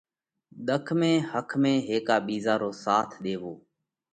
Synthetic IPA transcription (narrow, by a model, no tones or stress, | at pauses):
ɗ̪əkʰmẽːhəkʰmẽːɦeːkaːɓiːzaːɾoːsaːt̪ʰɗ̪eːʋoː